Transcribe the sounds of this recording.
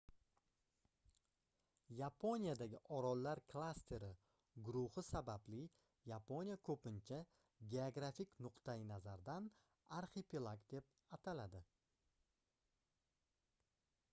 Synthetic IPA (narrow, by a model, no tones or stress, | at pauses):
japʰo̞nijad̪aɡʲɪʔɒɾɒlːaɾkʰlˠast̪ʰe̞ɾɪ | ɡʊɾʊhɪsabablɪ | japʰo̞nijakʰɵpɪnt͡ʃʰa | ɡʲe̞oɡɾafikʲnʊqt̪ajɪnazaɾd̪an | aɾχepʰilˠakd̪e̞p̚ | at̪ʰalad̪ɪ